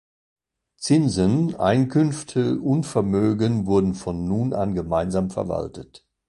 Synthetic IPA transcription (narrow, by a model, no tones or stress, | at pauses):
t͡sɪnzənʔa̰ɪnkʰʏnftʰəʊntfɛɐmøːɡənvʊɐdn̩fɔnːuːnʔa̰nɡəmaɪnzaːmfɛɐva̰ltət